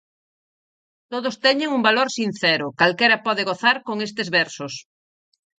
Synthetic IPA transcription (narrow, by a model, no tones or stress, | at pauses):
t̪oðost̪ɛɲeŋumbaloɾsin̟θɛɾʊkalkɛɾɐpɔðeɣoθaɾkoŋest̪ezβɛɾsos